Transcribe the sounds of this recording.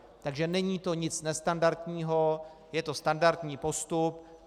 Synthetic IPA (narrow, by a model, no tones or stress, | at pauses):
t̪aɡʒɛnɛɲiːt̪o̞ɲɪt͡snɛst̪andaɾt̪ɲiːɦo̞ | jɛt̪o̞st̪andaɾt̪ɲiːpo̞st̪up